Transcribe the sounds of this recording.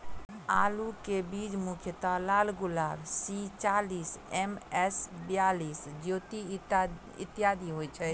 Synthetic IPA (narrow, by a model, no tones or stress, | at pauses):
aːlukebid͡ʒmukʰjət̪alaːlɡulaːbsit͡ʃalisɛmɛsbjalisd͡ʒjot̪i | ḭt̪jad̪iɦojt͡ʃʰɛ